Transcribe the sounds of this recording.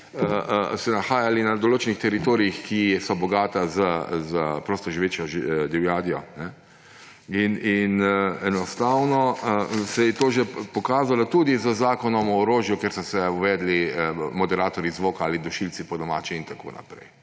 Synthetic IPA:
əsɛnaxaːjalinad̪oloːt͡ʃɛnixt̪ɛɾit̪oːɾiixkisɔbɔɡaːt̪azəzəpɾoːst̪ɔʒiʋeːt͡ʃjɔʒd̪ɛwjaːd̪ijɔnɛ | ininɛnɔst̪awnɔəsɛjɛt̪oːʒepɔkaːzalɔt̪uːd̪izəzaːkɔnɔmɔːɾoːʒjukeɾsɔsɛuʋɛːd̪liəmɔd̪ɛɾaːt̪ɔɾizʋokaːlid̪ɔʃilt̪sipɔd̪ɔma̰ːt͡ʃiint̪ako̰ːna̰pɾɛ̰j

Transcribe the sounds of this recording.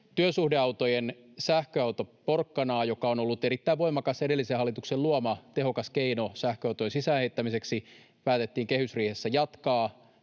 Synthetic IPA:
t̪yøsuhdeɑwt̪ojen | sæhkøɑwt̪oporkːɑnɑːjokɑono̞lːut̪eɾit̪ːæiʋo̞jmɑkɑsede̞lːisehɑlːit̪ukselluomɑt̪eɦo̞kɑskeinosæhkøɑwt̪ojensisæːheit̪ːæmise̞ksi | pæːt̪e̞t̪ːiːŋke̞hysriːhesːæjɑt̪kɑː

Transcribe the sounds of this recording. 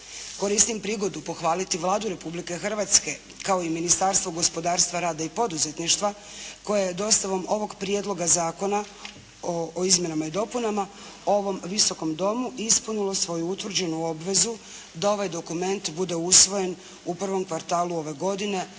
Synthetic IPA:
ko̞ɾist̪impɾiːɡo̞d̪upo̞xʋaːlit̪iʋlˠaːd̪uɾe̞publike̞xrʋat̪ske̞ | kao̞iminist̪aɾst̪ʋoɡo̞spo̞d̪aːɾst̪ʋaɾaːd̪aipo̞d̪uze̞t̪niʃt̪ʋa | ko̞jejed̪o̞st̪aʋo̞mo̞ʋo̞ɡpɾje̞d̪lˠo̞ɡazaːko̞na | ooizmʲje̞namaid̪o̞punama | oʋo̞mʋiso̞ko̞md̪o̞muʔispunulˠo̞sʋo̞juut̪ʋr̩d͡ʑe̞nuo̞bʋe̞zu | d̪ao̞ʋajd̪o̞kume̞nt̪bud̪e̞usʋo̞je̞n | upr̩ʋo̞mkʋaɾt̪aːluo̞ʋe̞ɡo̞d̪ine̞

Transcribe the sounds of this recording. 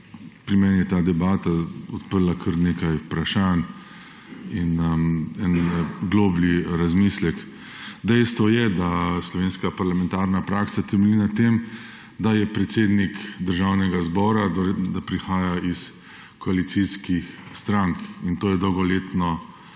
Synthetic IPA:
pɾimɛnijɛt̪aːd̪ɛbaːt̪aɔt̪pəɾlakʰəɾnekajupɾaʃan | inɛnɡloːbliɾazmislɛk | d̪ɛjst̪ʋɔjɛd̪aslɔʋeːnskapaɾlamɛ̃nt̪aɾnapɾaːksat̪ɛmɛlinat̪em | d̪ajɛpɾɛt̪seːd̪nikd̪əɾʒawnɛɡazbɔːɾad̪d̪apɾixaːjais | kɔalit̪siskixst̪ɾaŋkint̪oːjɛd̪ɔwɡɔleːt̪nɔ

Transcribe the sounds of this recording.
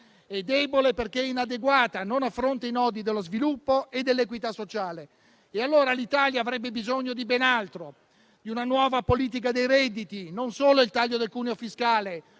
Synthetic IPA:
ɛd̪ːɛboleperk̟einad̪eɡwaːt̪anonafːɾont̪einɔːd̪id̪elːozvilupːoed̪ːelːekwit̪asːot͡ʃaːle | ealːoːɾalit̪aːljaːvɾɛbːebizoɲːod̪ibɛnalt̪ɾo | d̪iunanwɔːvapoliːt̪̬ik̬ad̪ejɾɛd̪ːit̪inonsoːloilt̪aʎːod̪elkuːneofiskaːle

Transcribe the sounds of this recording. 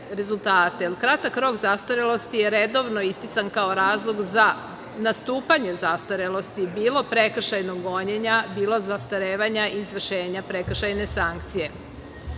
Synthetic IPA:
ɾe̞zulˠt̪aːt̪elkɾat̪akɾo̞kzast̪aɾelˠo̞st̪ijeɾed̪o̞ʋno̞ist̪it̪sankaoɾaːzlˠo̞ɡza | nast̪uːpaɲe̞zast̪aɾelˠo̞st̪ibiːlo̞pɾe̞kr̩ʃajnoɡːo̞ɲeɲabiːlˠo̞zast̪aɾeːʋaɲaʔizʋr̩ʃeːɲapɾe̞kr̩ʃajne̞saŋk̚t̪sije̞

